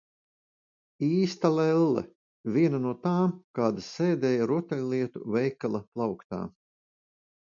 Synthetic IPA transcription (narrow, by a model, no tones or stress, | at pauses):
iːst̪alɛlˠːɛ̰ | vʲiɛnanuɔt̪aːmkaːd̪asɛːd̪ɛːjaɾuɔt̪ɛlʲliɛt̪ṵvɛjkalˠɐplˠɑwkt̪a̰ː